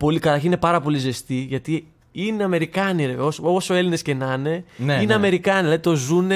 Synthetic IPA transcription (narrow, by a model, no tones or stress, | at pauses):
po̞likɐt̪ɐɾçinine̞pɐɾɐpo̞lize̞st̪iʝɐt̪i | ine̞ɐme̞ɾikɐniɾeveososoe̞line̞sce̞nɐne̞nine̞ɐme̞ɾikɐnilɐðit̪o̞zune